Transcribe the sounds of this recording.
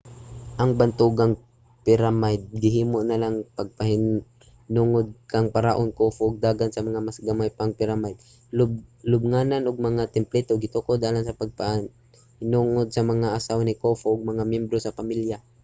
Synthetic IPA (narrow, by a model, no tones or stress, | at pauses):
ʔɐŋbɐnt̪uɡaŋ | pɪɾamajd̪̚ɡɪɦiːmoʔnɐlaŋpɐɡ̚pɐhɪ | hnuːŋod̪̚kɐŋpaɾaʔonkoːfoʔːɡ̚d̪aːɡansɐmɐŋamasɡɐmajpaŋpɪɾamajd̪̚ | lʊb̚lʊb̚ŋaːnanʊɡ̚mɐŋat̪ɛmplɛt̪oɡɪt̪ʊkod̪aːlansɐpɐɡ̚pa | hɪnuːŋod̪̚sɐmɐŋaʔasawnɪkoːfoʔːɡ̚mɐŋamjɛmbɾosɐpɐmilja